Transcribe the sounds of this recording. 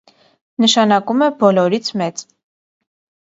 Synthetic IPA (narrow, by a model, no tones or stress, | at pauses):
nəʃɑnɑkumɛbɔlɔɾit͡sʰmɛt͡s